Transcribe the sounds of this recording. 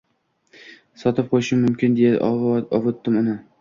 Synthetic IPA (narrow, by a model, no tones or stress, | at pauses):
sɒt̪ɪp̚qʰojɪʃɪmʊmkʲɪnd̪ejaɒvot̪ːɪmʊnɪ